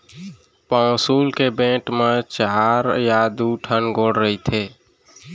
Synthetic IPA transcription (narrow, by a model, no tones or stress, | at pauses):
pɔ̃ːsuːlkebẽːʈmet͡ʃəɦaːɾjaːd̪uʈʰənɡʱoːɽɾəɦit̪ʰeː